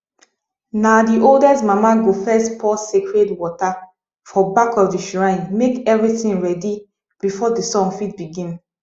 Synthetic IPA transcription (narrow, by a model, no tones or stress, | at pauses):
nadiʔoldɛsmamaɡofɛstpʰɔsekɹedwɔta | fɔbakɔfdəʃuɹãɪ̃nmekɛvɹiθĩnɹɛdi | b̥ifɔdəsɔ̃ŋfit̚biɡĩn